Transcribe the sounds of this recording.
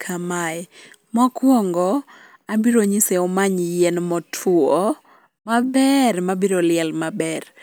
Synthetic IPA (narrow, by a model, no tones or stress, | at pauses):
kʰamaɛ | mɔkwɔŋɡɔ | abiɾoɲiseomaɲjɛnmɔtʰɔ | mabɛrmabiɾolɪɛlmabɛr